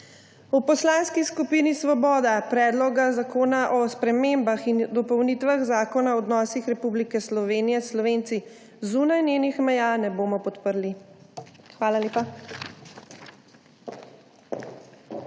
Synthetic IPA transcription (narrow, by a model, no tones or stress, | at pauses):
upɔslaːnskiskupiːnisʋɔbɔːd̪apɾɛːd̪lɔɡazakoːnaʔɔspɾɛmembaxind̪ɔpɔwniːt̪ʋaɣzaːkɔnaɔːd̪nɔːsixɾɛpublikɛslɔʋeːnijɛslɔʋent̪si | zuːnajneːnixmɛjaːnɛboːmɔpɔt̪pəɾli | xʋaːlaleːpa